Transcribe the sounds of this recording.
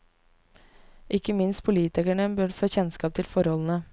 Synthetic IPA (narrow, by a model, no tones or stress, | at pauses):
ʔɪkːəmɪnst̪̚pʰʊliːt̪ɪkæɳəbœɖføːçɛnskɑːp̚t̪ʰɪlfɔɾhɔln̩ə